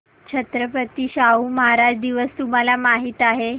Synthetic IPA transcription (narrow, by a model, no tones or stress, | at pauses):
t͡ɕʰət̪ɾəpət̪iːɕauːməɦaɾad̪iʋəst̪um̤alamaɦit̪aɦe